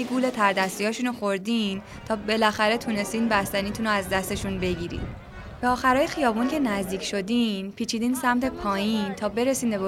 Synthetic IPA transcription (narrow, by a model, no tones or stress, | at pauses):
iɡuːlet̪ʰæɾd̪æst̪ijɒːʃunoxoɾd̪iːn | t̪ʰɒːbe̞læxæɾe̞t̪ʰune̞st̪iːnbæst̪æniːt̪ʰuːnoæzd̪æst̪e̞ʃunbe̞ɟiːɾḭːn | beɒːxæɾɒːjexijɒːbuːncʰe̞næzd̪iːcʰʲʃo̞d̪inpʰiːt͡ʃʰiːd̪iːnsæmt̪ʰe̞pʰɒːjiːnt̪ʰɒːbe̞ɾesiːnbeb